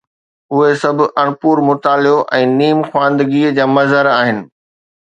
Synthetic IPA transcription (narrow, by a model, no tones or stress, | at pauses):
ʊɦesɐbʱʊʔɐɽ̃puːɾmʊt̪aːljoʔɛ̃ːniːmxwãːnd̪ɡid͡ʑaːmɐzəɾaːɦɪnɪ̆